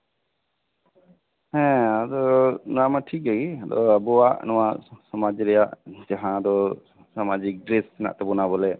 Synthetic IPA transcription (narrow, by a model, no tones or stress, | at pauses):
hɛ̃ad̪ɔnamaʈʰik̚ɛɡiad̪ɔ̰abɔaʔnɔwaʔsɔmad͡ʒɾɛjaʔd͡ʒaɦãd̪ɔ | samad͡ʒik̚ɖɾɛsɛna̰ʔt̪ɛbɔnabɔlɛ